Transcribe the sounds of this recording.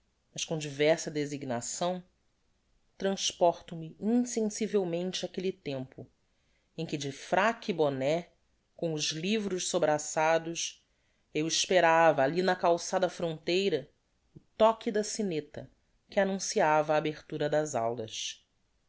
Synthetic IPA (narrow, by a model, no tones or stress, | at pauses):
mɐʃkõd͡ʒivɛɾsɐd̪eziɡnasɐ̃w̃ | t̪ɾɐ̃ʃpɔɾt̪ʊmɪĩsẽsivewmẽnt͡ʃɪakelit̪ẽmpʊ | ẽj̃kɪd͡ʒɪfɾakibonɛ | kõw̃ʊzlivɾʊʃsobɾasad̪ʊʃ | ewiʃpeɾavɐːlinɐkawsad̪ɐfɾõnt̪ejɾɐ | ʊt̪ɔkid̪ɐsinet̪ɐ | kɪanũsiavɐːbeχt̪uɾɐd̪ɐza̰wdɐs